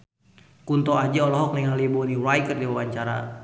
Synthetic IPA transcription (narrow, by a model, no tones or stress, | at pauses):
kunt̪ɔad͡ʒaɔlɔɦɔk̚nɛŋalibɔniwajkərdiwawaɲt͡ʃaɾa̰